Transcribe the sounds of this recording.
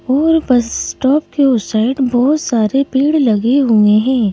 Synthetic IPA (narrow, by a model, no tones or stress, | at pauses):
ɔːɾbɐssʈɔːp̚keʊsaːɪɖbɔːʊt̪saːɾepiːɽlɐɡeɦũeɦɛ̃ː